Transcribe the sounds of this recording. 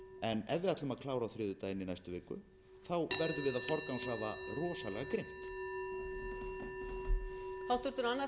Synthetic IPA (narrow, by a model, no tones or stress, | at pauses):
ɛnɛðvɪðat̪lʏmaðkʰlaːwɾaθɾɪːðʏt̪aɪnːinajst̪ʏvɪːkːʏ̰ | θawvɛɾðʏɾvɪːðafɔɾk̪nawnsaːðarɔːsalɛ̰ɣakɾejm̥t̪ | hawht̪ʏɾ̥t̪ʏɾanːa